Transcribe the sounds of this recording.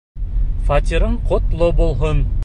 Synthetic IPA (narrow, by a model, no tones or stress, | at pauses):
fat̪ʲiɾɤɴqŏt̪lˠobulˠɦon